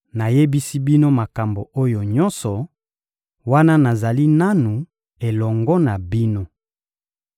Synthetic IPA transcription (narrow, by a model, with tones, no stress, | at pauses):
na˨je˦bi˦si˦bi˦no˦ma˨ka˨mbo˨o˦jo˨ɲɔ̃˦nsɔ˨ | wa˦na˦na˨za˨li˦na˦nu˨ | e˨lɔ˨ŋɡɔ˦na˨bi˦no˦